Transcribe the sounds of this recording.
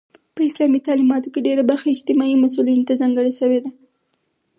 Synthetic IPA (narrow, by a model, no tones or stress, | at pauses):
pəɪslɑmit̪ɑlimɑt̪okeɖeɾabaɾxaɪd͡ʒt̪ɪmɑimas̬ulinot̪azɑŋɡəɽeʃəwed̪a